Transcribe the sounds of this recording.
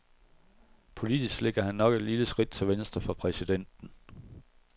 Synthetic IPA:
pʰo̝lid̥isɡ̥leɡ̥ɐɦænːɒ̽ɡ̥e̝d̥liləsɡ̥ʁid̥̚t͡sʰe̝lʋensd̥ʁɐfʁɑ̈pʰʁɛsid̥en̰d̥n̩

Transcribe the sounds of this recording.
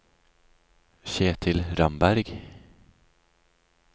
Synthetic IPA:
ɕeːt̪ʰɪlɾambæɾɡ

